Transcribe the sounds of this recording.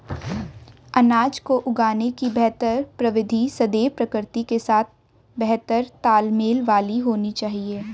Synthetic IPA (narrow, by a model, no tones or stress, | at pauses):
ɐnaːd͡ʒkoʔʊɡaːnekibɛɦt̪əɾpɾɐʋɪd̪ʱisɐd̪eːpɾɐkɪɾt̪ikesaːt̪̚ʰ | bɛɦt̪əɾt̪aːlmeːlʋaːliɦoːnit͡ʃaːɦieː